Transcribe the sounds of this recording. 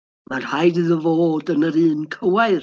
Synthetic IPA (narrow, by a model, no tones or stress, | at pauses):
marhajdɨðəvoːdənəɾɨːnkʰəwaɨr